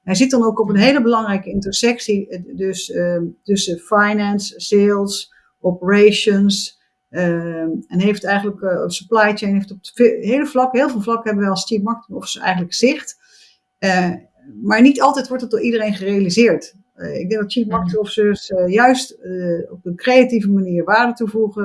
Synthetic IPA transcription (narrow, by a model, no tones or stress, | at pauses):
ɦɛjzɪt̚dɑnowkɔp̬ənɦejləbəlɑŋrɛjkəɪntəɹsɛksidøstøsəfajnɛnselˠs | ʔopəɹeʃəns | əɛnɦejftɛjχənləksəplajt͡ʃejnɦeftɔpfɦeːləflɑkəɦɪːlˠvɪːlˠvlɑkəɦɛbəʋɛlˠst͡ʃipmɑkətmɔfsɛ̰jχənləkz̥ɪχt | ə | maːɹnitɑlˠtɛjtʋɔɹtdɑt̚doːɹʔidərejnχərejalizɪːɹt | ɪ̰ɡ̚dɛ̃ŋɡdɑtt͡ʃipmɑɹkətəɔfsøsjœɥstɔp̚ənkrejativəmaniːɹʋaːɹdətuvuχə